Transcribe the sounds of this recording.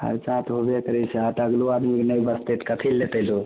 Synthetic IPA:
hə̰ɾt͡ʃat̪ɦobekəɾɛseat̪əɡluad̪miknəjbəst̪et̪kət̪ʰilet̪əlo

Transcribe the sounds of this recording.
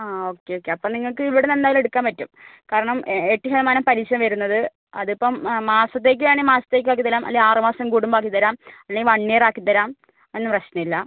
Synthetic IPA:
aːo̞ːkːe̞oːkːe̞ɐpːomniŋːɐɭkɨiʋiɽenendaːjilme̞ɽukːaːnpɐtːumkaːɾɐɳɐmeʈːiɦelɐmaːnɐmpɐɾiɕɐmʋɐɾunːɐðɨ | ɐ̰ðipːɐmːaːsɐt̪ːe̞ːk̬ːɨʋeːɳimaːsɐt̪ːeːk̬ːɨʋaːkit̪ːɐɾaːmʔɐ̰leaːrɨmaːsɐmkuːɽumbaːkːit̪ɐɾaːmɐlːeʋɐɳːeːraːkːit̪ːɐɾaːm | e̞nːɨprɐɕnɐmilːɐ

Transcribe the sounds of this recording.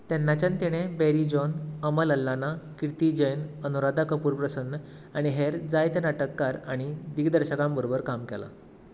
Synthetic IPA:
t̪ɛnːat͡ɕant̪iɽ̃ebeɾid͡ʑɔnəmələlːanakiɾt̪id͡ʑəjnənuɾad̪ʱakəpuːɾpɾəsənː | aɽ̃iɦeɾd͡zajt̪enaʈəkːaɾaɽ̃id̪iɡd̪əɾɕəkãmbəɾobəɾkamkɛla̰

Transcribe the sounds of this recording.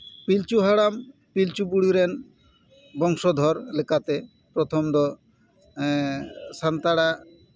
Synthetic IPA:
pilt͡ɕuɦaɽampilt͡ɕubuɽiɾen | bɔŋʃod̪ʱɔɾlekat̪e | pɾot̪ʰomd̪ɔ | sant̪aɽa

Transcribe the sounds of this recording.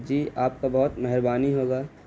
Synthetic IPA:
d͡ʒiːaːp̚kabɐɦʊt̪mɛɦɪɾbaːniɦoːɡaː

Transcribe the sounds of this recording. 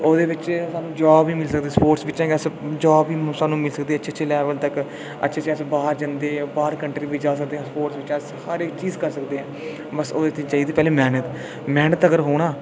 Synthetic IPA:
oːd̪eːʋɪt͡ʃsaːnũːd͡ʒaːbiːmɪlsək̚d̪eːspoːʈsʋɪt͡ʃːt͡ʃãːɡəsd͡ʒaːbiːsaːnũːmɪlsəkd̪eːətːʃʰeːt͡ʃʰeːlɛːʋəlt̪ək | ə̰tːʃʰeːt͡ʃʰeəsbaːɾd͡ʒənd̪eːbaːɾkəɳʈɾiːʋiːd͡ʒaːs̬ək̚d̪eːɛ̃ːspoːʈsʋɪt͡ʃːshəɾekt͡ʃiːzkəɾsəkd̪eːɛ̃ː | bəsoːd̪eːt̪ɪt͡ʃaːiːd̪eːpɛːleːmɛːnət̪ | mɛːnət̪əɡəɾɦoːɽ̃aː

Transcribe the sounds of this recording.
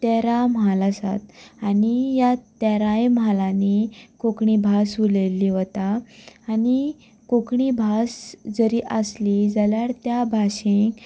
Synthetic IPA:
t̪eɾamalasa̰t̪anijat̪ɛɾãjmalanikokɳibʱasʋuleliʋət̪aː | ni | kokɳibʱasd͡zəɾiːʔəslid͡zaljaɽt̪jabʱaɕẽk

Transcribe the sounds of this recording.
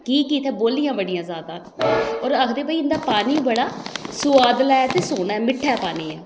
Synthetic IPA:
kiːkiːt̪ɛːboːlːiːjãːbəɽɪjãːzaːd̪ãː | ɔːɾəkʰd̪eːpaːiɪnd̪aːpaːniːbəɽaːsʊaːd̪laːt̪eːsoːnaːɛmɪʈʰːɛːpaːniːɛː

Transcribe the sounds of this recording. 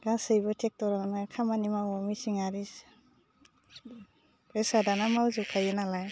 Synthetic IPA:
ɡ̥asɯjbɔtʰek̚tɔɾanakʰamanimawɔmisiŋaɾis | pɾesadanamawzukʰajɯnalaj

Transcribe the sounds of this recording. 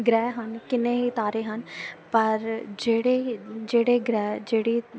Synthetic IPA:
ɡɾɛːɦənkɪnẽːɦiːt̪aːɾeːɦənpəɾd͡ʒeːɽeːd͡ʒeːɽeːɡɾɛːd͡ʒeːɽiː

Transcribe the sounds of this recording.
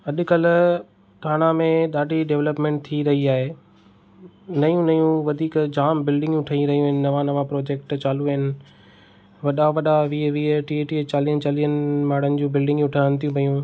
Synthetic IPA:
ɐɗʊ̆kɐlʊ | ʈʰaːɽ̃amẽɗ̪aːɖʱiɖeʋləpmẽːɳʈ̚t̪ʰiɾɐɦiaːɦeː | nɐjũnɐjũʋɐd̪ʱiːkd͡ʑaːmbɪlɖɪ̃ŋɡ̃ʊʈʰəĩɾɐɦijũʋɐɦɪnɪ̆nɐʋaːnəʋãpɾoːd͡ʑeːk̚ʈt͡ɕaːluɐɦɪnɪ̆ | ʋɐɗaʋɐɗaʋiːʋiːeʈiːeʈiːt͡ɕaːliːənɪt͡ɕaːliːənɪmaːɽ̤ənɪ̆d͡ʑũːbɪlɖɪ̃ŋɡʊʈʰaːñt̪ʰijũpɐjũ

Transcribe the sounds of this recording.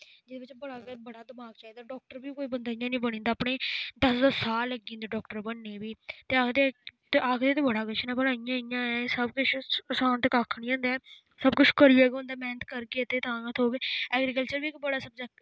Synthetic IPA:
d͡ʒɪd̪eːʋɪt͡ʃbəɽaːɡbəɽaːd̪əmaːɡt͡ʃaːiːd̪aːɖɔːk̚ʈəɾbiːkoːiːbənd̪aːɪjãːnĩːbəɽ̃ĩːnd̪aːpɳeːd̪əszəsaːlːəɡĩːnd̪aːɖɔːkʈəɾbəɳːẽːbiːt̪eːaːkʰd̪et̪ːʔaːkʰd̪eːt̪eːbəɽaːɡəʃʰnãːbəɽaːijãːijãːɛsəbkʊt͡ʃʰsãːt̪kaːkʰɳĩːõːnd̪eː | səbkʊt͡ʃʰkəɾiːoːɡʊ̃ːnd̪aːmɛːnət̪kəɾɡet̪eːt̪ãːət̪ʰoːɡeːɛːɡɾiːkəlt͡ʃəɾbiːkbəɽaːsəbd͡ʒa

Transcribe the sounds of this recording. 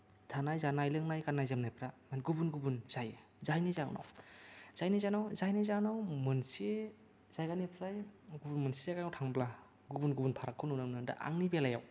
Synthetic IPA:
tʰanajzanajlɯŋnajkanːajzamnajpʰɾamanɡubunɡubunzaj | zajnizaŋna̰wz̥ajnizajnawzajnizanawmɯnse | zajɡanepʰɾajɡubunmɯnsizajɡanawtʰaŋbla | ɡubunɡubunpʰaɾakʰːɯnunɯmnɯnda̰ʔa̰ŋnibelaja̰w

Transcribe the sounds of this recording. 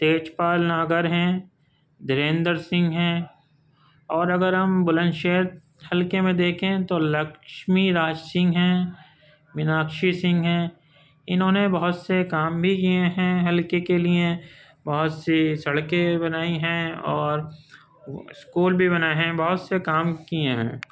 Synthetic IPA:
t̪eːt͡ʃpaːlnaːɡəɾɦɛ̃ː | d̪ɪɾẽːnd̪əɾsɪ̃ŋɡɦɛ̃ː | ɔːɾɐɡəɾɦɐmbʊlə̃nʃeːt̪̚ | hɐlkemẽd̪eːkʰẽt̪olɐkʃmiɾaːd͡ʒsɪ̃ŋɡɦɛ̃ː | ʋɪnaːkʃisɪ̃ŋɡɦɛ̃ː | ɪnɦõːnebɐɦʊt̪sekaːmbʱikieɦɛ̃ɦɐlkekeliẽ | bɐɦʊt̪sisɐɽkebɐnaːiɦɛ̃ɔːɾ | skuːlbʱiβɐnaːeɦɛ̃bɐɦʊt̪sekaːmkieɦɛ̰̃ː

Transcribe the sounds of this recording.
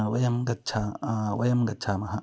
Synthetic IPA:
wɐjɐmɡɐt̚ːt͡ʃʰaːwɐjɐmɡɐt̚t͡ʃʰaːmɐɦɐ

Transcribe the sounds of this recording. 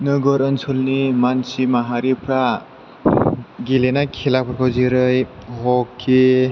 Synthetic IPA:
nɯɡɔɾɯnsʰɔlnimansimaɦaɾipʰɾa | ɡilenakʰilak̚pʰɔɾkʰawziɾɯjɦɔkʰːe

